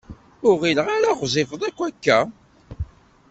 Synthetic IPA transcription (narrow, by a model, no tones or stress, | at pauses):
ʊʁiləʁaɾaʁzˤɪfəðˤækʷːækːæ